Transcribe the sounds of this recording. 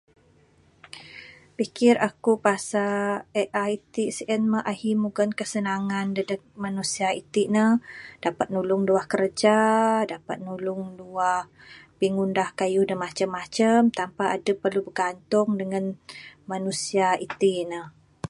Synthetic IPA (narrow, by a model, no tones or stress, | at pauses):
pikɪrakupasaɛʔajt̪isʔɛnməʔahimuɡənkəsənaŋandədək̚manusiait̪iʔnəhd̥apat̪̚nulʊŋduahkərd͡ʒadapat̪̚nulʊŋduah | piŋundahkajuhdəmat͡ʃəmːat͡ʃəmt̪ampaʔadəpərlubəɡant̪ʊŋdəŋanmanusiait̪inəh